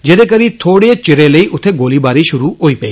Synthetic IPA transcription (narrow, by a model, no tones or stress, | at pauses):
d͡ʒeɾekəɾit̪ʰoːɽet͡ʃɪɾeləiʔʊt̪ʰeɡoːlibaɾiʃʊɾuoipei